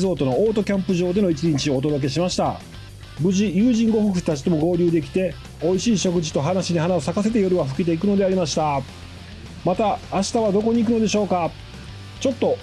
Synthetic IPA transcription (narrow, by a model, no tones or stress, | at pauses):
zo̞ːt̪o̞no̞oːt̪o̞kʲãmpɯ̟ʑo̞ːd̪e̞no̞it͡ɕiɲit͡ɕio̞ːd̪o̞d̪o̞k̬e̞ɕimaɕi̥t̪a | bɯ̟ʑijɯ̟ːʑĩŋɡo̞ɸɯ̟kɯ̥t̪at͡ɕi̥t̪e̞mo̞ɡo̞ːɾʲɯːd̪e̞kʲi̥t̪e̞ | o̞iɕiːɕo̞kɯ̟ʑi̥t̪o̞ɦanaɕiɲiɦanao̞sakase̞t̪̬ejo̞ɾɯβaɸɯ̟̥kʲit̪̬e̞ikɯ̟no̞d̪e̞aɾʲimaɕi̥t̪a | mat̪aːɕi̥t̪aβad̪o̞ko̞ɲ̟iːkɯ̟no̞d̪e̞ɕo̞ːka | t͡ɕo̞t̪ːo̞